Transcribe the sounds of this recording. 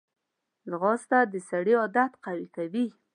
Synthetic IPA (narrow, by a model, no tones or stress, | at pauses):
lɣɑst̪ad̪əsaɽiɑd̪at̪qawikawi